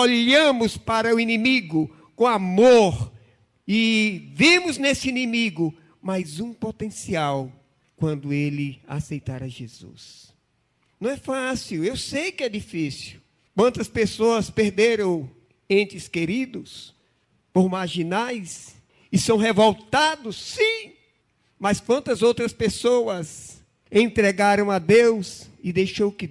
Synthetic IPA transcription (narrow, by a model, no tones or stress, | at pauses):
oʎɐ̃mʊspaɾɐʊinĩmiɡʊ | kõamoɾ | ɪvimʊznesɪinĩmiɡʊ | majzũpot̪ẽsiaw | kwɐ̃nd̪ʊelɪa̰sejt̪aɾɐʒezṵs | nɐ̃w̃ɛfasiwewsejkɪɛd̪ifisiw | kwɐ̃nt̪ɐspesoɐspeɾd̪eɾɐ̃w̃ | ẽnt͡ʃ̪ɪskeɾid̪ʊs | poɾmaɾʒinajs | ɪsɐ̃w̃ɦevowt̪ad̪ʊsːĩ | mɐskwɐ̃nt̪ɐzowt̪ɾɐspesoɐz | ẽnt̪ɾɛɡaɾɐ̃w̃ad̪ewzɪd̪ejʃowkɪ